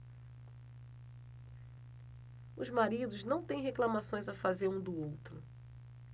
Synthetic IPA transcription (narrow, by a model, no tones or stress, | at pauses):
ʊ̰zmaɾid̪ʊznɐ̃w̃t̪ẽj̃ɦeklamasõj̃zɐfazeɾũd̪ʊowt̪ɾʊ